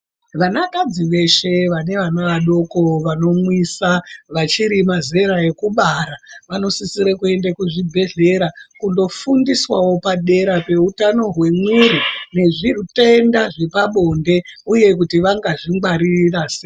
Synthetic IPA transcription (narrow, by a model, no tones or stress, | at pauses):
ʋanakad͡ziʋe̞ʃe̞ʋane̞ʋanaʋaɗo̞ko̞ʋano̞mwisaʋat͡ʃiɾimaze̞ɾae̞kuɓaɾaʋano̞sisiɾekue̞ndakuʐibʱe̞ɮe̞ɾakundo̞fundiswawo̞paɗe̞ɾape̞utano̞ɦwe̞mwiɾine̞ʐirute̞ndaʐe̞paɓo̞nde̞uje̞k̬utiʋaŋɡaʐiŋɡwaɾirase